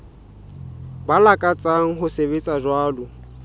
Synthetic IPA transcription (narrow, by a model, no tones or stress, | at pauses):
balakʼat͡sʼaŋ̩ɦʊsebet͡sʼaʒwaːlʊ